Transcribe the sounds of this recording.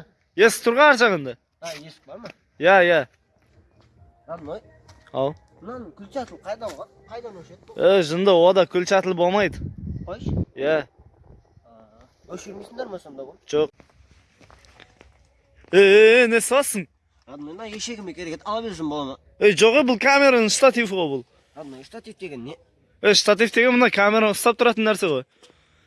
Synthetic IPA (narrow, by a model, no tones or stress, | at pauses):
jesɪ̥t̪ʰʊɾʁɑnɑɾʒɑʁend̪ɪ | jesɪ̥bɑɾmə | jæjæ | ɾɑd̪noj | ɑw | nɑnkʲʰʏlt͡ʃæt̪əlˠqʰɑjd̪ɑwʁɑ | qʰɑjd̪ɑnoʃet̪eʒənd̪əwo̞d̪ɑkʲʰʏlt͡ʃæt̪ɪlˠbo̞lˠmɑjd̪ə | jæ | ʃeɾmejsɪnd̪eɾmɑʃnd̪ɑoʒ̥oq̚ | eenesɑlˠɑsəɴ | ɑd̪mɑmɑjeʃekʲɪmekʲʰeɾekʲet̪ɑlˠɑbeɾʒənbolˠɑmə | ejʒoqebʊlˠkʲʰamʲe̞ɾanəɴst̪at̪ifəʁojbʊlˠ | ɑd̪mjst̪at̪ift̪eɡʲenːe | ejʃt̪at̪ift̪e̞ɡʲemənɑkʲʰamʲe̞ɾaʊst̪ɑp̚t̪ʰʊɾɑt̪ənːæɾse̞ʁo̞j